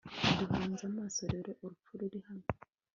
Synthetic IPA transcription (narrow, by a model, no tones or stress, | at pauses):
ndiβaːnzamasoɾeɾeʔoɾufuɾiɾihamo